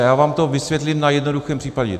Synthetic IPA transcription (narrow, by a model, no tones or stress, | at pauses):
jaːvaːmt̪ovɪsvʲjɛt̪lɪmnajɛdnoduxɛːmpr̥iːpaɟɛ̰